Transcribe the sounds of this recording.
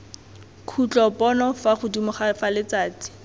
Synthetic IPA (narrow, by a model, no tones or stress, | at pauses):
kʰut͡ɬɔpʼɔnɔfaχʊdumʊχafalɪt͡saːt͡si̥